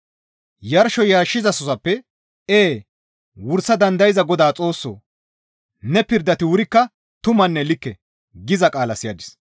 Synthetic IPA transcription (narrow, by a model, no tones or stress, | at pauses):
jɐɾʃɔjaːʃːɪzɐsɔsɐpːɛ | eː | wʊɾsːɐd̪ɐnd̪ɐjɪzɐɡɔd̪aːt͡sʼo̞ːsːo̰ː | nɛpɪɾd̪ːɐt̪ɪwʊɾɪkːɐ | t̪ʊmɐnːɛlɪkːɛ | ɡɪzɐkʼaːlɐsɪjɐd̪ɪs